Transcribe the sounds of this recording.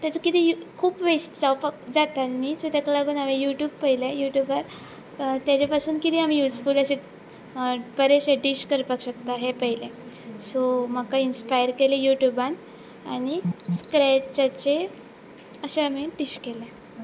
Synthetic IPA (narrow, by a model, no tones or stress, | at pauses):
t̪jat͡sokit̪ikʰuːpʋesʈd͡zawpakd͡zat̪anisot̪akalaɡuːnaʋejuʈjuːbpəɦilejuʈjubəɾ | t̪jat͡ɕapasuːnkit̪iːam̤ijud͡zfuləɕe | pəɾeɕeɖiɕkəɾpakɕəkt̪aɦepəɦilẽsoməkainspajəɾkelejuʈjuban | añiskɾɛt͡ɕat͡ɕe | əɕeam̤iɖiɕkelẽ